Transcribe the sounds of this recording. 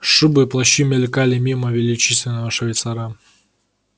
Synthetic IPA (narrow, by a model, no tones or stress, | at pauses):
ʂɨbɨplˠɐɕimʲelʲkalʲɪmʲiməvʲɪlʲɪt͡ɕisʲvʲɪnːəvəʂɐvʲɪt̪saɾa